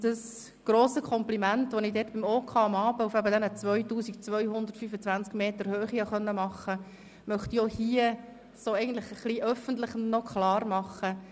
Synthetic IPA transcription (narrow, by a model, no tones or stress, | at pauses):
d̥̪əs | ɡ̥ɾoːsəkʰɔmplimæntʋɔnidɛːtbimoːkʰɑɑmɑːbəufæbədɛnət͡sʋœʏtuːsikt͡sʋœʏhʊnd̪əɾtfyfət͡sʋænt͡skmeːt̪əɾhøːχiɑχœnːəmɑχːə | mœχt̪ijohiːə | soːɛɪɡən̩tləχəχliʔœfəntlɪχnnɔkʰχlɑːɾmɑχə